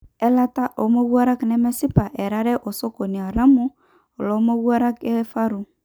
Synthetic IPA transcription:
ɛ˦la˦ta˦ʔo˨˦mo˦ɣu˦a˦ɾa˦knɛ˦mɛ˦sɪ˦pa˨ʔɛ˨ɾa˦ɾɛ˦ʔo˨so˦ko˨ni˨a˨ɾa˦mʊ˦ | ɔ˨lo˨˦mo˦wu˦a˦ɾa˦kɛ˦fa˦ɾʊ˨

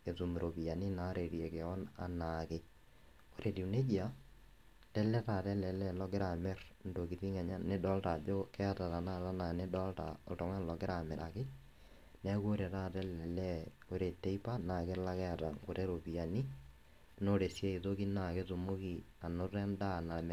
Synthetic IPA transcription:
e˨tu˨m˨ɾo˨pi˨ja˨ni˦na˨˦ɾe˨ɾjɛ˨ke˨ɔ˦na̰˨na˨ke˦ | o˦ɾʔe˨di˨ne˦d͡ʒi˦a˦ | tɛ˦lɛ˦ta˨tɛ˦lɛ˨lɛ˦lɔ˦ɡɪ˦ɾa˨mɛ˦rndo˨ki˨ti˦ŋɛ˨ɲa˦ne˦dɔ˦lta˨d͡ʒo˦kɛ˦a˦ta˨ta˨na˦ta˦na˨ne˦dɔ˦lta̰˨o̰˨tɔ˨ŋa˦n˨lɔ˨ɡɪ˦ɾa˨mɛ˨ɾa̰˨ke˦ | nɛ˦ko˦ɾɛ˨ta˦tɛ˦lɛ˨lɛ˦ | o˦ɾe˨te˦i˦pa˦naː˨ke˦la˦kɛ˦a˨ta˨ŋo˨ɾe˦ɾo˨pi˨a˨ni˦ | no˦ɾe˨sje˦i˨to˦ki˦na˨ke˦to˨mo˦ki˨a˨no˦rɛ˦nda˦˨na˨m

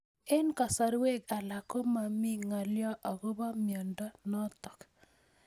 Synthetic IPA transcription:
e˦nkɔ˨sa˨ɾwe˦ɡa˨la˨ko˦ma˨mi˦ŋa˨ljɔ˦ʔɔ˨ɡo˦ba˦mjɔ˨ndɔ˦nɔ˦t̪ɔ˨k

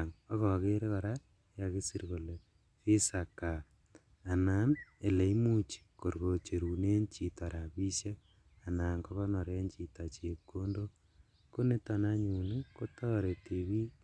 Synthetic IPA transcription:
aŋɔ˦kɔ˨ɣe˦ɾe˦kɔ˨ɾa˦ | ja˨ke˦si˦ɾɣo˨le˨ | fi˦sa˨ka˨ | a˨na˦ne˨le˨i˦mu˦t͡ʃi̥˨ko˨ɾɣo˨t͡ʃe˨ɾu˨ne˦ɲt͡ʃi˨ta˨ɾa˨βi˦sje˦ | a˨na˨ŋkɔ˦βɔ˦nɔ˨ɾe˦nt͡ʃi˨ta˨t͡ʃi˨kːo˦ndo˦ | ko˦ne˦ta˨na˦ɲu˨ne˦ko˦tɔ˦ɾe˨ti˨βi˦

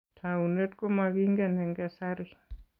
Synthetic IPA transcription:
tʰaune˦tko˦maki˦ŋɡɛ˨nɛ˨ŋɡɛ˨saɾɪ

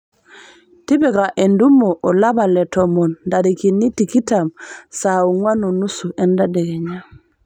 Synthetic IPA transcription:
ti˦bɛ˨ka˨ʔe˨ndu˦mo˨ʔo˨la˦ba˨lɛ˨tɔmo˨nda˨ɾikinːi˦ti˨ki˦tamsau˨ŋwa˦nu˨nu˦su˨ʔɛ˦nda˦dɛ˨ɡɛ˨ɲa

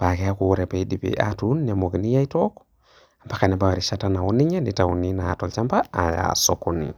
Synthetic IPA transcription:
pa˨ke˦a˦kuɾe˨pa˨i˦dipḭʔa̰tunːemoki˨ni˦ja˦i˦tok | a˨mba˦ka˨nɛ˨bawa˨ɾiʃatana˨wɔ˦ni˦ɲe˦ni˨tawṵni˦na̰˨tolt͡ʃa˦mba˦a̰˨ja̰sokonḭ

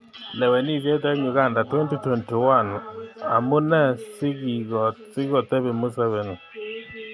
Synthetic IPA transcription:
lɛ˨wɛ˨ni˦˨ðɛ˦t̬ɛ˦ɲʊ˨ɣa˦˨nda˨twɛ˦nti˦twɛ˨nti˨wa˦˨na̰˨mʊ˦nɛ˦˨sɪ˦ɡi˨ɡɔ˨sɪ˦ɣɔ˨t̪ɛ˦βɛ˨mʊ˦sɛ˦βɛ˨n˨

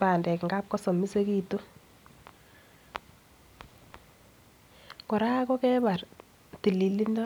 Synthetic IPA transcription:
pa˨ndɛ˨kŋɡa˦p̚kɔ˦sɔ˨mi˦se˦ki˦to˦ | kɔ˨ɾa˦kɔ˦kɛ˦ba˨r | ti˨li˨li˦ndɔ˦

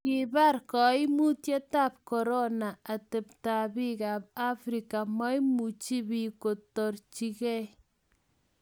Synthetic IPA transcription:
kibarkɔ˨i˦mu˦tje˦ta˦p̚kɔɾɔnaa˨tɛpta˨bi˦kaːb̚a˦fɾika˨ma˦jmut͡ʃi˦bi˨ko˨tɔrt͡ʃikɛ˦

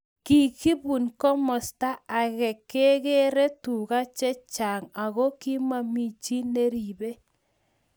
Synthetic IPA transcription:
ki˨ki˦βu˨nkɔ˦mɔ˨sta˦a˨ɣɛ˨ke˦ɣe˦ɾe˦tu˨ɣa˦t͡ʃɛ˦t͡ʃa˨ŋa˨ɣo˦ki˦ma˦mi˦t͡ʃi˦ne˦ɾi˨βe˦

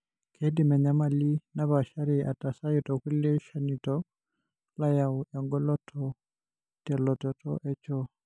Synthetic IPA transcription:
kʰe˦di˨mɛ˨ɲa˨ma˨li˦na˦βa˨ʃa˦ɾi˨ʔa˨ta˨sa˦ji˨tɔ˨ku˦lɛ˦ʃa˨nitɔ | la˦jawɛŋɡɔ˦lɔ˦tʰɔ | tɛ˨lɔ˨tɔ˨tɔ̰˦ʔɛ˦t͡ʃɔ˦

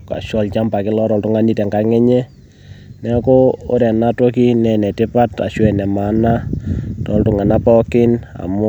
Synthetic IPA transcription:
ka̰˨ʃɔ˦lt͡ʃa˦mba˨kɪ˦lɔ˦ɾɔ˨ltʊ˦ŋa˦ni˦tɛ˨ŋɡa˦ŋɛ˦ɲɛ˦ | nɛ˦kɔ˦o˦ɾɛ˨na˦to˦ki˦nɛ˨nɛ˨tɪ˦pa˦ta̰˨ʃwɛ˨nɛ˨ma˨˦na˦tɔ̰˨ltʊ˨ŋa˨na˦pɔ˦kɪ˦na̰˨mʊ˦

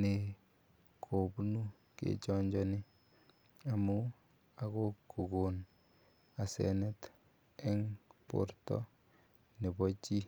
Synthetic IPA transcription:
ne˨ | kʰo˨bu˦nu˦ | kḛ˦t͡ʃɔ˦ɲd͡ʒɔni˦ | a˨mu | a˨ko˦ku˨ɡo˨n | a˨sɛ̰nɛ˦t | ɛ˦ŋpo̰˦ɾtɔ̰˦ | ne˨bɔt͡ʃi˦

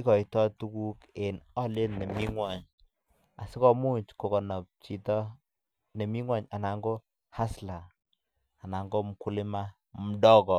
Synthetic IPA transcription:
i˦kɔ˨i˨tɔ˦tu˦ku˦ke˨nɔ˦le˦nne˨mi˦ŋwa˨ɲ | a˨si˦kɔ˦mu˦ɲt͡ʃko˨kɔ˨nɔ˨p̚t͡ʃi˨tɔ˦ | ne˨mi˦ŋwa˦ɲa˨na˨ŋɡo˦ | ha˦slaː˨ | na˨ŋɡo˦m˨ku˦li˦ma˦ | m̩˨dɔ˦kɔ˨

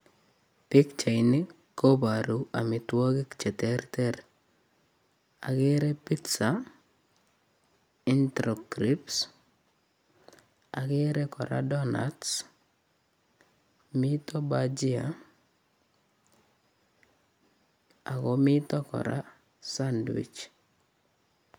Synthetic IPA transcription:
pɪ˦kt͡ʃa˨inɪ˦ | kobaɾu˦a˨mɪ˨two˦ɡɪ˦kt͡ʃɛ˨tɛrtɛɾ | a̰˨ke˦ɾɛ˦pitsa | i˦ntɾɔ˨kɾips | a˨keɾɛ˦kɔ˨ɾa̰dɔna̰ts | mitɔ˦bad͡ʒi˦a | a˨kɔmɪtɔ˦kɔ̰˨ɾa̰˦ | sandwḭ˨t͡ʃ

